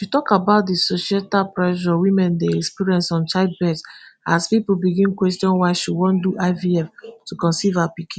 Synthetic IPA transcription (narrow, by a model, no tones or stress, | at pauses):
ifutɔkabaʊt̚disoʃietapɹɛʃɔwĩmɛ̃ndeɛkspiɹiɛ̃nsɔ̃nt͡ʃaɪd̚bɛdsaspipul̩biɡĩnkwɛstjɔ̃nwaɪʃuwɔ̃nduʔaɪviɛftukɔ̃nsivapikʰĩ